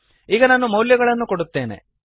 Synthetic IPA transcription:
iːɡɐnaːnːumɐwljɐɡɐɭɐnːuko̞ɽut̪ːe̞ːne̞̰

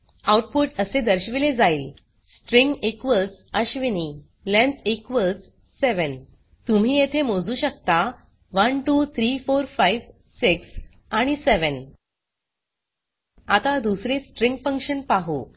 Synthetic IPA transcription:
awʈ̚puʈəsed̪əɾɕʋiled͡zajil | sʈɾĩŋɡekʋəlsəɕʋini | lẽnt̪ekʋəlt͡s | seʋən | t̪um̤iːjet̪ʰemod͡zuːɕək̚t̪a | ʋənʈut̪ʰɾifoɾfaiʋ | siks | aɽ̃iseʋən | at̪ad̪usɾesʈɾĩŋɡfə̃ŋkɕənpaɦo̰

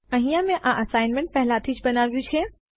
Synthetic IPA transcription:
ɐ̃ɦĩjãmẽʔãʔɐsaːɪnmẽɳʈ̚pɛɦlat̪ʰid͡ʒbɐnaːʋijũt͡ʃʰe

